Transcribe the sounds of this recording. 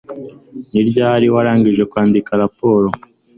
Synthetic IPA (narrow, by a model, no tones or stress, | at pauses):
niɾɟaːɾiwaɾaːŋɡiʒekwaːndikaɾapo̞ːɾo